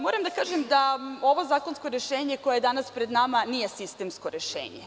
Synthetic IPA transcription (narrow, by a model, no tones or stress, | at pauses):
mo̞ɾamd̪akaːʒemd̪ao̞ʋo̞zaːkonskoɾeʃeːɲekojejed̪anaspɾed̪namanije̞sist̪emskoɾeʃḛːɲḛ